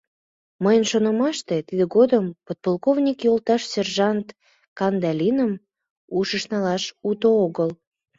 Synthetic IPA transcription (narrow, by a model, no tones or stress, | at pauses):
məjənʃonə̆mɑʃt̪et̪id̪eɡod̪əmpot̪̚polˠkovnʲikjolˠt̪ɑʃsʲerʒɑnt̪ | kɑnd̪ɑlʲinəm | uʃəʃnɑlɑʃut̪ooɣəl